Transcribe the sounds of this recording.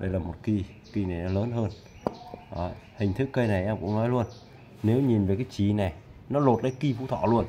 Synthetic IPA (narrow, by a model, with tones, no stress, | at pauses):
ɗə˧jlaː˨˩mo˨˩t̚ki˧ | ki˧na˨˩jnɔ˨˦ləː˨˦nɦəː˧n | ʔə˨˦hï˨˩ŋ̟t̪ʰɨ˦˥kːə˧jna˨˩jʔɛ˧mkʊ̰˧˥ŋ͡mnɔ˨˦jlu˧ən | ne˨˦wɲi˨˩nve˨˩kaː˨˦jt͡ɕi˨˩na˨˩jnɔ˨˦lo˨˩t̚la˨˦jki˧fu˨˧˦t̪ʰɔ̰˧˨lu˧ən